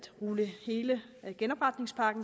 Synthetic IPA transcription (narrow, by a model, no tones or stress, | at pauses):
d̥ʁuləhe̝ːlə | ɡ̥enɒ̽b̥ʁɑ̈d̥ne̝ŋspʰɑ̈ːɡ̥n̩